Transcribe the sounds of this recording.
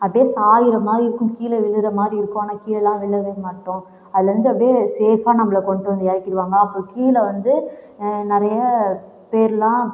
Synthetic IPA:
ɐpjeːsaːjɪɾɐmaːdɾiɪɾɯkːʊ̃kiːlɛʋɪɭːɯɾɐmaːd̪ɾiɪɾɯkːõanɐkiːlɛlːãːʋɪɭːɐʋeːmaːʈːʊ̃ | ɐðɯlːɐʋɐnd̪ɯɐpɽeːseːfaːnɐmːɐɭɐkɔɳʈːɯʋɐnd̪ɯɛːɾɪkːɪɾɯʋaːŋɡɐːpːoːkiːlɐʋɐnd̪ɯ | nɪɾɐjɐ | peːɾɪlãː

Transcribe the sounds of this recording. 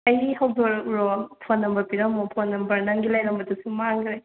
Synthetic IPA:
ɐjiɦɐwdoɾkɾopʰonːɐmbɐpiɾɐmopʰonːɐmbɐɾnɐŋɡilɐjɾɐmbɐdusumaŋɡɾej

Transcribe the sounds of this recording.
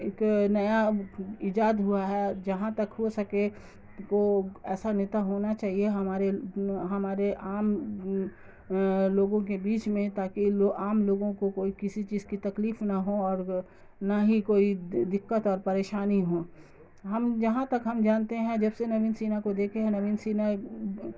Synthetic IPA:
eknɐjaɪd͡ʒaːd̪ɦʊaɦɛd͡ʒɐɦãt̪ɐkɦosɐke | koɛːsanɪt̪aɦoːnat͡ʃaːɦieɦɐmaːɾeɦɐmaːɾeʔaːm | loːɡõkebiːt͡ʃmẽt̪aːkiaːmloːɡõkokoːikɪsit͡ʃiːzkit̪ɐkliːfnaɦoɔːɾ | naɦikoːid̪ɪkːət̪ɔːɾpɐɾeːʃaːniɦõ | ɦɐmd͡ʒɐɦãt̪ɐkɦɐmd͡ʒaːnt̪eɦɛ̃d͡ʒɐbsenɐʋiːnsiːnakod̪eːkʰeɦɛ̃nɐʋiːnsiːna

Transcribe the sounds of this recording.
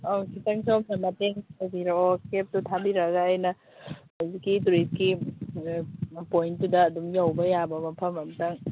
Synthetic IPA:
owkʰitaŋsawpʰɐmːateŋabiɾaokep̚tutʰabiɾɐɡaːjnɐ | azikːituɾit̚ki | pojntudɐːdumjawbɐjabɐmɐpʰɐmɐmtaŋ

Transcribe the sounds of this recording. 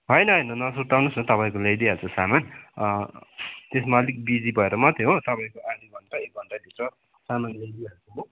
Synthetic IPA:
ɦʌjnʌɦinʌnʌsut̪awnusnʌt̪ʌpaĩkolejd̪iɦalt͡sʰusaman | t̪esmalik̚bid͡zibʱʌeɾʌmʌt̪ʰjot̪ʌpaĩkoʔad͡ziɡʱʌnʈaeɡʱʌɳʈad̪ʱisɾʌ | samanlejd̪iɦalt͡sʰuo

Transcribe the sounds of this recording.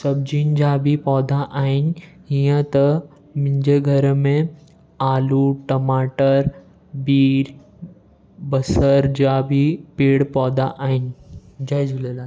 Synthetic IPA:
sɐb̚d͡ʑind͡ʑabʱipɔːd̪ʱaʔaːin̆ɦijə̃t̪ɐ | mɪ̃ɲd͡ʑeɡʱɐɾmẽ | aːluʈɐmaːʈəɾ | biːɾ | bɐsəɾd͡ʑabʱipeːɽpɔːd̪ʱaʔaːɦɪnd͡ʑad͡ʒulela

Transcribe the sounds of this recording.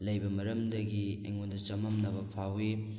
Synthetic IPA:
lɐjbɐmɐɾɐmdɐɡiḛŋondɐt͡ʃɐmɐmnɐbɐpʰawi

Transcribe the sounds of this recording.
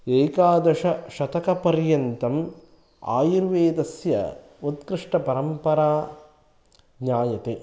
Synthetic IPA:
eːkaːd̪ɐʂɐʃɐt̪ɐkɐpɐɾjɐnt̪ɐm | a̰ːjiɾʋeːd̪ɐsjɐ̰ | ot̪̚kɾɪʂʈɐpɐɾɐmpɐɾaː | ɡɲaːjɐt̪eː

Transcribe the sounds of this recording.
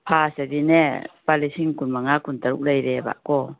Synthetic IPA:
pʰasadinɛpalisiŋkunmaŋakunt̪aɾṵk̚lajɾɛba̰ʔkɔ

